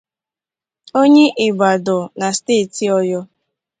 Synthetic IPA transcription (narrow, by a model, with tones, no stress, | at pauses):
o˦ɲe˦ʔɪ˨ɡ͡ba˨dɔ˨na˨steː˦˨ti˨ɔ˦jɔ˦